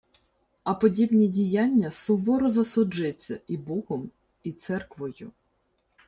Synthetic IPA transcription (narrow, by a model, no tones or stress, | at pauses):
ɐpɔdʲibnʲidʲijanʲːɐsʊʋɔɾɔzɐsʊd͡ʒɪt͡sʲːɐʔibɔɦɔm | it̪sɛrkʋɔjʊ